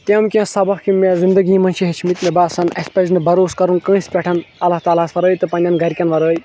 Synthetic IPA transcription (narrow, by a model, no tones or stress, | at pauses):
t̪jɐmkʲẽsɐbɐkkimezind̪ɐɡiːmɐnʃiɦet͡ʃʰimit̪mebasɐnɐ̰spɐznɨbɐɾoːskɐɾunkə̃ĩsʲpʲɛʈʰɐnɐlaɦt̪aːlaːsfɐɾəːjt̪ɨpɐnʲɐnɡɐɾkʲɐnʋɐɾəːj